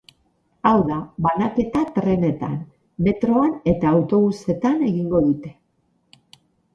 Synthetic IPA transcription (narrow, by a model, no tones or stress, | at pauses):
awðaβanake̞t̪at̪ɾe̞ne̞t̪a̰n | me̞t̪ɾo̞ane̞t̪aːwt̪o̞βuse̞t̪ane̞ɣiŋɡo̞ðut̪e̞̥